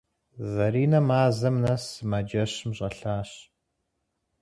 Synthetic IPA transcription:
zɐɾiːnɐmaːzɐmnɐsmɐd͡ʒɐɕmɕʼɐɬaːɕ

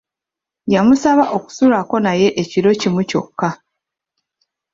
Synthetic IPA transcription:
jamusaβaʔo̞ku̥sulako̞naje̞ʔeciɾo̞cimuco̞̰kːa

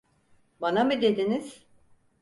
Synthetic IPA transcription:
banamɯd̪e̞d̪iniz̥

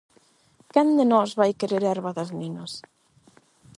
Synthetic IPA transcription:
kɛnd̪enɔzβajkeɾeɾɛɾβaðɐzninos

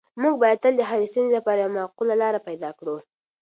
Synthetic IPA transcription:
muɡbɑjad̪̚t̪əld̪əɦaɾist̪unzilapɑɾajawmaqulalɑɾapajd̪ɑkɽu

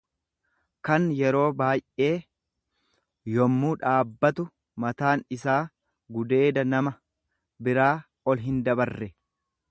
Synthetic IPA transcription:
kɐnjɛɾo̞ːbaːjʔe̞ː | jɔmːuːᶑaːbːɐt̪ʊ | mɐt̪aːnɪsaː | ɡʊd̪e̞ːd̪ɐnɐmɐ | bɪɾaː | ɔlɦɪnd̪ɐbɐrːɛ

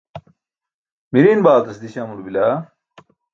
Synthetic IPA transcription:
miɾiːnbaːlt̪ɐsd̪iɕamuɾbilaː

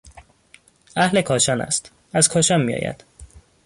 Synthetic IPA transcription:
ʔæhle̞kʰɒːʃɒːnæ̰st̪ | æzkʰɒːʃɒːnmijɒ̰ːjæ̰d̪̥

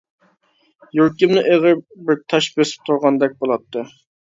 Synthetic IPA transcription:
joɾkʲɪmnɨʔeʁɨbɪɾt̪ʰɑʃbesɪ̥p̚t̪ʰʊɾʁɑnd̪ɛk̚ʲbolˠɑt̪ʰːɨ

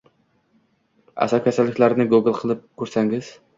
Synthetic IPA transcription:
a̰sɒkʲʰasalːɪkʲlaɾɪnɪɡuɡɪlˠqʰɨlˠɪp̚kʲʰɵɾsaŋɪz̥

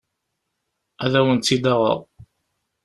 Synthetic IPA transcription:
æðæwənt̪ːid̪ɑʁə̰ð

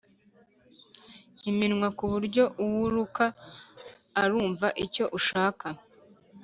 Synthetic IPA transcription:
himinŋwakuβuɾɟo̞ʔuwuɾukaː | ɾuːɱvaʔico̞ʔuʃaːka

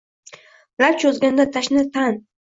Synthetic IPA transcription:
ɾap̚t͡ʃʰɵzɡʲand̪at̪ʰaʃnɪt̪ʰan

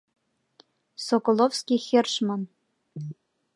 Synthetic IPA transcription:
sokolˠofskʲixʲĕrʃmɤn

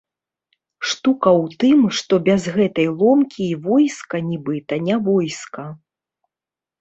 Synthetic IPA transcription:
ʂt̪ukɐwt̪ɨmʂt̪ɔbʲazɣɛt̪ɐjlˠɔmkʲiːvɔjskɐnʲibɨt̪ɐnʲavɔjskɐ

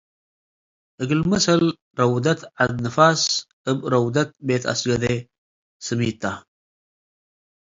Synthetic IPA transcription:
ɨɡɨlmɐsɐl | ɾɐwd̪ɐt̪ʕad̪nɨfaːs | ɨbɾɐwd̪ɐt̪̚beːt̪ʰɐ̰sɡɐd̪e | sɨmiːt̪ːa

